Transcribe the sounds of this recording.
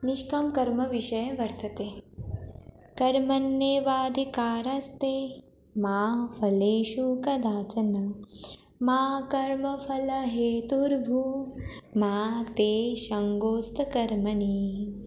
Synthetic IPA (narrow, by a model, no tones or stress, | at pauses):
niʃkɐmkɐɾmɐʋiʃɐjɐʋɐɾt̪ʰɐt̪eː | kɐɾmɐnjeːʋaːd̪ʱikaːɾɐst̪eː | maːfʰɐleːʃukɐd̪aːt͡ʃɐnɐ | maːkɐɾmɐfɐlɐɦeːt̪uɾbʱu | maːt̪eːʃɐŋɡoːst̪ʰɐkɐɾmɐniː